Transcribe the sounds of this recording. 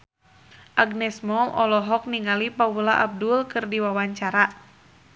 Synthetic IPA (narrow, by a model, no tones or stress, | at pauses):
ʔaɡnɛsmɔʔɔlɔɦɔk̚niŋalipawulaʔab̚dulkɨrdiwawaɲt͡ʃaɾa